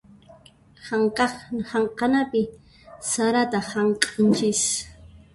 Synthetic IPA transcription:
haŋqɑχhaɴqɑnapɪ | saɾat̪ahaɴqʼɪnt͡ʃɪs

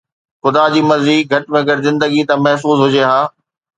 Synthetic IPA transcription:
xʊd̪ad͡ʑiːmɐziːkɡʱɐʈɪmẽɡɐɽɪzɪ̃nd̪əɡit̪ãmɐɦfuːzɦʊd͡ʑeɦaː

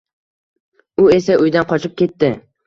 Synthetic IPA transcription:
ʊes̬aʔʊjd̪anqʰɒt͡ʃʰɪp̚kʲe̞t̪ːɪ

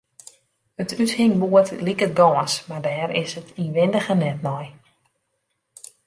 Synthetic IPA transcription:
ətʰythɪŋbuətlikət̚ɡɔːəsmardɛːɾɪ̰sətʰiʋɪndəɣənɛtnɔj

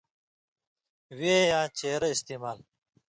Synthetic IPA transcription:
weːjãːt͡ɕeːɾɐist̪iːmaːl

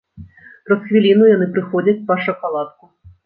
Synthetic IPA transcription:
pɾɐsxvʲilʲinujan̪ɨpɾɨxɔd͡zʲɐt͡sʲpɐʂɐkalˠat̪̚ku

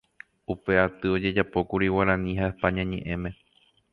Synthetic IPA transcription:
upe̞at̪ɨo̞d͡ʒe̞d͡ʒapo̞kuɾiwaɾãnĩɦaepãɲãɲẽ̞̰ʔẽ̞mẽ̞

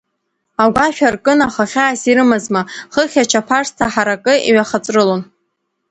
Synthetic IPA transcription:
aɡʷaʃᶣarkʼɨnaχaχʲaːsiɾɨmazmaχəχʲat͡ʃʰapʰaʂstʰaħaɾakʼɨḭɥaχat͡sʼrɨlon

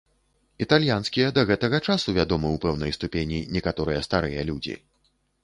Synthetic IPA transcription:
it̪alʲjanskʲijɐd̪ɐɣɛt̪ɐɣɐt͡ʂasuvʲad̪ɔmɨwpɛwnɐjst̪upʲenʲinʲɛkat̪ɔɾɨjɛst̪aɾɨjɐlʲud͡zʲḭ

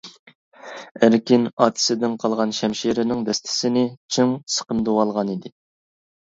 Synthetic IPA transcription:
æɾkʲinɑːt̪ʰɪ̥sɪd̪ɪnqʰɑlˠʁɑnʃɛmʃiɾɪnɪŋd̪ɛst̪ʰɪ̥sɪnɪt͡ʃʰiŋsə̥qəmd̪owɑlˠʁɑnid̪ɪ

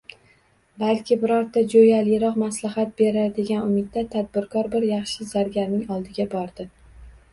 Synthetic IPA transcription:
balkʲʰɪbɪɾɒɾt̪ʰːad͡ʒojalɪjɪɾɒqmaslaɦat̪̚be̞ɾaɾd̪e̞ɡʲanʊmɪd̪̚ːat̪ʰad̪̚bɪɾkʰɒɾbɪɾjɑχʃɪzaɾɡʲaɾnɪŋɒlˠd̪ɪɡʲabɒɾd̪ɪ

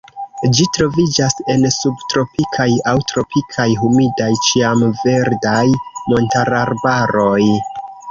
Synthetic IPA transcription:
d͡ʒitɾo̞vid͡ʒasensubtɾo̞pikʰajawtɾo̞pikʰajɦumidajt͡ʃiamve̞ɾdajmo̞ntaɾaɾbaɾo̞j

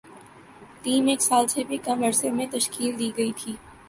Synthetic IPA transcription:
ʈiːmeːksaːlsebʱikɐmɐɾsemẽt̪ɐʃkiːld̪iːɡɐit̪ʰiː

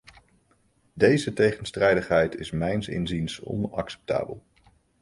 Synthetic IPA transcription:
dejzətejχənstrɛjdəχɦɛjtɪsmɛjnsɪ̰nzinsɔ̰nɑ̰ksɛ̥p̚ta̰ːbə̰lˠ

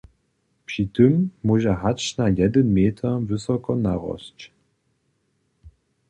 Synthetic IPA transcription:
pʂitɨmːuʒɛɦat͡ʃnajɛd̪ənmeːt̪ʰɐvɨsɔkɔnaʁɔ̰ɕt͡ɕ

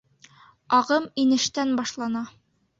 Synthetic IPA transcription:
ɒʁɤminɘ̆ʃt̪ænbɒʃlˠɑnɑ

